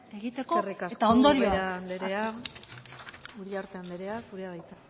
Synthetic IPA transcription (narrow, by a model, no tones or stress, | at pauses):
eɣit̪ekoerikaset̪aond̪o̞ɾioɾand̪eɾea | ulaɾt̪eand̪eɾeasuɾeaðajt͡s̪a